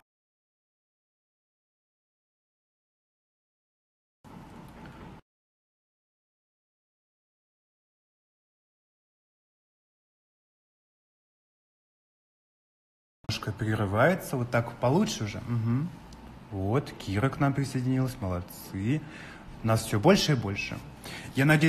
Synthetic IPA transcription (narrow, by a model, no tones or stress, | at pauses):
oʂkəpɾʲɪɾɨvajɪt̪səvo̞t̪ːakpɐlˠutʂɨʊʐɛ̰m̩ɦm̩ | vo̞t̪kʲʰiɾəknampɾʲɪsəjdʲɪnʲilˠəsʲməlˠɐt̪sɨ | ʊnasfsʲobo̞lʲʂɨibo̞lʲʂɨ̰ | janɐdʲe